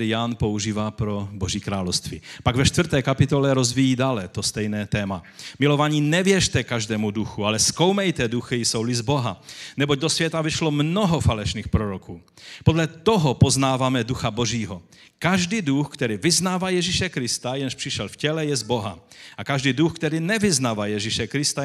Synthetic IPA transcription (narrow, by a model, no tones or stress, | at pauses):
ɾɪjanpouʒiːvaːpɾoboʒiːkɾaːlowst̪vḭːpaɡvɛʃt̪vr̩t̪ɛːkapɪt̪olɛɾozvijiːdaːlɛt̪ost̪ɛjnɛːt̪ɛːmamɪlovaɲiːnɛvjɛʃt̪ɛkaʒdɛːmuduxualɛsko̞wmɛjt̪ɛduxɪjsowlɪzboɦa̰nɛboɟ̚d̪osvjɛt̪avɪʃlomnɔɦɔfalɛʃniːxpɾoɾokʰuː | podlɛt̪oɦɔpoznaːvamɛduxaboʒiːɦɔ | kaʒdiːduxkt̪ɛɾiːvɪznaːvajɛʒiʃɛkɾɪst̪ajɛnʃpr̥ɪʃɛlfcɛlɛjɛzboɦa̰ | ʔakaʒdiːduxkt̪ɛɾiːnɛvɪznaːvajɛʒiʃɛkɾɪst̪a